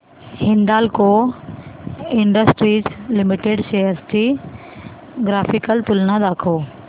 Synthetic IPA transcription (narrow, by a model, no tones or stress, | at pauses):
hɪ̃nd̪aːlko | ɪ̃ɳɖəsʈɾiːzlɪmɪʈeɖseɦəɾst̪ʰi | ɡɾaːfɪkəlt̪ʊlnãd̪aːkʰoː